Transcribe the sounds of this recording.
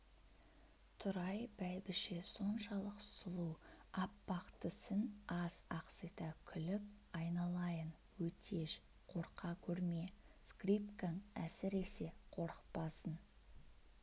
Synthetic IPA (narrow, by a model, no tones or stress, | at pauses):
t̪ʰʊɾɑjb̥æjbɪʃeso̞nʃɑlˠəqsʊlˠuɑpːɑqt̪əsənɑz̥ɑqsijt̪ɑkʲʰʏlɪp̚ | ɑjnɑlˠɑjən | wɵt̪ʰe̞ʃ | qʰo̞ɾqʰɑkʲʰɵɾmeskripkaŋæ̰sɪɾe̞se̞qʰo̞ɾəqpɑsən